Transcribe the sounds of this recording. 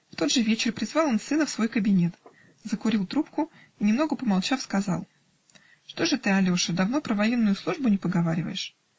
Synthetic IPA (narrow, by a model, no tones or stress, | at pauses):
ft̪o̞d̪ʐɨvʲet͡ɕɪrpɾʲɪzvɑlˠo̞nsɨnəfsvo̞jkəbʲɪnʲe̞t̪ | zəkʊɾʲilˠt̪ɾupkʊ | inʲɪmn̪oɡəpəmalˠt͡ɕafskɐzɑ̰lˠ | ʂt̪o̞ʐɨt̪ɨɐlʲo̞ʂɨd̪ɐvno̞pɾəvɐjinːʊjʊslˠuʐbʊnʲɪpəɡɐvaɾʲɪvə̰jɪʂ